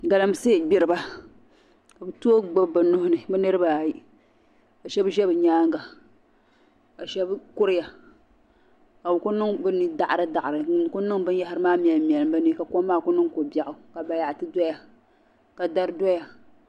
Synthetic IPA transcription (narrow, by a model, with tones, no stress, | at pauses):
ɡa˨la˦m˦seː˦˨ɡ͡bɪ˨ɾɨ˨ba˦ | ka˨bɨ˦tu˦o˦ɡ͡bo˦bbɨ˨nʊ˦hʊ˦nɨ˨bɨ˦nɨ˦ɾɨ˦ba˨ji˦ | ka˨ʃɛ˦bʒɛ˦bɨ˨ɲaː˦ŋɡa˨ | ka˨ʃɛ˦bkʊ˦ɾɨ˦ja˨ | ka˨ʊ˨kʊ˦nɨ˦ŋbɨ˦nɨ˦da˨ʔɾɨ˦da˨ʔa˨ɾɨ˨kʊ˦nɨ˦ŋbɨ˦n˦ja˦hɪ˦ɾɨ˦maː˦mi˨ɛ˨lmi˨ɛ˨lɨ˨mba˦nɨ˦ka˨ko˦m˦mːaː˦˨kʊ˦nɨ˦ŋko˨ba˨ʔʊ˨ka˨ba˨ja˨ʔtɨ˦dɔ˦ja˨ | ka˨da˦ɾɨ˦dɔ˦ja˨